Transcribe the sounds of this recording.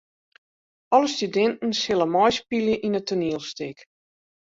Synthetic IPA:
ɔləstydɛntn̩shɪlˠəmɔjspilˠjəʔinətoniəlˠstɪk

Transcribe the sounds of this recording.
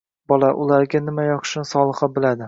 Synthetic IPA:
bɒlˠaʔʊlaɾɡʲanɪmajɒqɨ̥ʃnɪsɒlˠɨχabɪlad̪ɪ

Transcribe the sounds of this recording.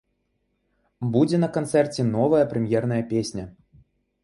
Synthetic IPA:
bud͡zʲɛnɐkant̪sɛrt͡sʲɛnɔvɐjɐpɾɛmʲjɛrnɐjɐpʲesʲnʲɐ

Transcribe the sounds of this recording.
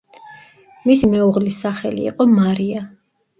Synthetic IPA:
misimɛuʁlisːaχɛ̰lḭːqʼɔmaɾia

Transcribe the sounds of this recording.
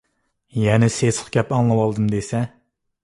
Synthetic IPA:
jɛnɪsesχɡʲɛpɑŋlˠɨwɑlˠd̪ɨmd̪esɛ

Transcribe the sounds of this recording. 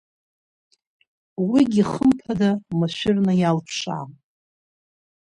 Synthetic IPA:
wiɡʲiχəmpʰadamaʃʷᶣɪrnajalpʰʂa̰am

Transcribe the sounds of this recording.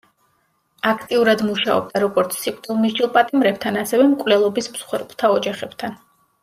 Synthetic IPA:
akʰt̪ʼiuɾad̪muʃaɔ̰b̚d̪aɾɔɡɔɾt̪sʰsikʼt̪ʼilˠmizd͡ʒilˠpʼat̪ʼimɾɛb̚t̪ʰanasɛvɛmkʼvlɛlˠɔbismsχwɛɾbt̪ʰaɔd͡ʒaχɛb̥t̪ʰan

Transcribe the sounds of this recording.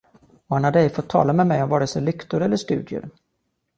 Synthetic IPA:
ɔhanhadɖ̪əɛjfɔt̪ʰːɑ̰ːlamɛmɛjɔmvɑːɖɛsəlʏkt̪ʊɾɛlːəʂt̪ʉ̟ːd̪ɪʊ̰ɾ

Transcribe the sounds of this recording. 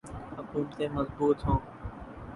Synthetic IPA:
hʊkuːmt̪ẽːməzbuːt̪ɦõː

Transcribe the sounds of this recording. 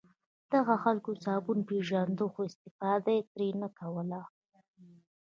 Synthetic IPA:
d̪̥aɣaxalkot͡sɑbunpeʒand̪oxoɪst̪ɪfɑd̪ajet̪ɾenakawəla

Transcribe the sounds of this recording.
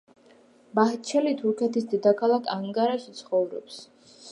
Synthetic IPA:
baht͡ʃʰɛlit̪ʰuɾkʰɛt̪ʰisd̪ɛd̪akʰalˠakʰaŋkʼaɾaʃit̪sʰχɔvɾɔ̰ps

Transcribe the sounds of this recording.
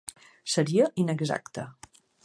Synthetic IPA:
səɾiəʔinəɡza̰kt̪ə

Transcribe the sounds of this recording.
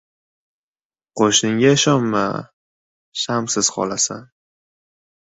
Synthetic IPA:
qʰoʃnɪŋʲaʃɒmma̰ | ʃamsɪz̥χɒ̰lasan

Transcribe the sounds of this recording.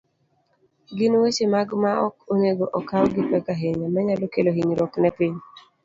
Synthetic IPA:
ɡɪnwet͡ʃemaɡmaɔkoneɡoʔɔkawɡɪpɛkaɦeɲamaɲalokeloɦiɲɾɔknɛpiɲ

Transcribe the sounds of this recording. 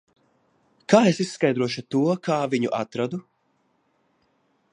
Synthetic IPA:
kaːesissːkajd̪ɾuɔʃut̪uɔkʰaːviɲuʔat̪ɾad̪u

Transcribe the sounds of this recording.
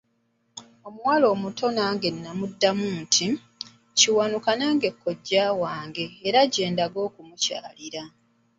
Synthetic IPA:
o̞muwaːlo̞ːmutʰo̞naːŋɡe̞nːamudːamuːntʰi | ciwanukanaːŋɡe̞kʰːo̞ɟːaːwaːŋɡe̞ːɾaɟe̞ːndaɡo̞ːkumuca̰ːliɾa

